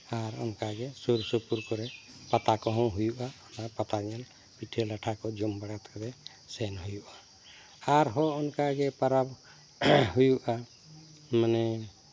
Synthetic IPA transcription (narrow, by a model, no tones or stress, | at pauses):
aɾɔ̰nkaɡɛsuɾsəpuɾkɔɾɛpat̪akɔɦɔ̃ɦujuʔaɔnapat̪aɲal | piʈʰelaʈʰakɔd͡ʒɔmbaɽat̪kɔɾɛ | sɛnɦujuʔa | aɾɦɔɔnkaɡɛpaɾab | ɦujuʔa | manɛ